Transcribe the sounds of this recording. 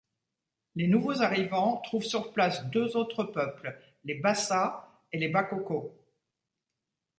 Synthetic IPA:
lenuvozaʁivɑ̃t̪χuvsyʁplasd̪øzot̪χəpœpl | lebasa | elebakɔko

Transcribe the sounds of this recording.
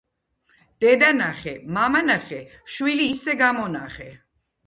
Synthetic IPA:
d̪̥ɛd̪anaχɛmamanaχɛʃwiliːsɛɡamɔnaχɛ

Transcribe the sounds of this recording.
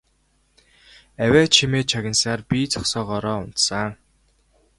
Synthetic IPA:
æwʲæːt͡ɕʰimeːt͡ɕʰaɣʲə̆nsaːrpʲiːt͡sɔχsɔːʁɔːɾɔːʊn̥t̪saː

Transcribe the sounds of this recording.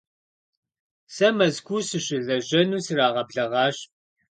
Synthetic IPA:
sɐmɐzkʷʰusɨɕɪɮɐʑɐnuːsɨraːʁɐbɮɐʁɑːɕ

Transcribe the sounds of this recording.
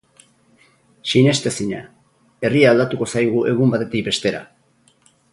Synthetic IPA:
ʃinest̪esiɲa̰ | e̞riaːld̪at̪uko̞sajɣuʔe̞ɣ̞umbat̪e̞t̪ik̚be̞st̪e̞ɾa̰

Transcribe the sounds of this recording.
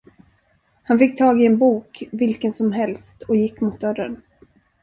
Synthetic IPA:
hanfɪk̚ːt̪ʰɑːɡɪɛnbuːkvɪlkənsɔmɦɛlst̪ɔjɪkːmʊːt̪̚d̪œɾːən

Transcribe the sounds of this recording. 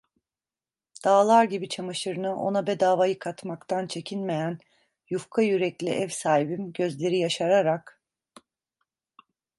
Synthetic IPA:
d̪̥aːlˠaɾɟibit͡ʃʰamaʃɯɾɯnɯʔo̞̰nabɛd̪aːvajɯkʰat̪makt̪ʰant͡ʃʰe̞cʰinme̞jæn | jufkʰajyɾɛclʲḭʔɛvsaːɦibimɟø̞zlʲe̞ɾijaʃaɾaɾak

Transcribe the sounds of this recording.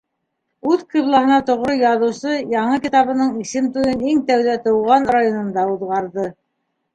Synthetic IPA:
ʉðqiβlˠɑɦɤ̆nɑt̪ŏʁɾɤjɑðɤ̆wsɤjɑɴɤkit̪ɑβɤ̆nɤɴisɘmt̪ujɤniŋt̪æwðæt̪ɤ̆wʁɑnrajonŏnd̪ɑuðʁɑɾðɤ

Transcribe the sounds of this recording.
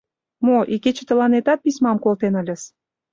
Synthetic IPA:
moʔiket͡ɕə̆t̪ə̆lɑnet̪ɑt̪̚pismɑmkolt̪enə̆lʲə̆s

